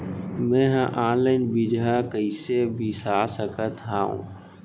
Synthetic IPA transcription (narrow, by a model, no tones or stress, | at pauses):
mɛ̃ɦãʔaːnlaɪnbid͡ʒakəɪsebʱisaːsəkət̪ɦaːṵ̃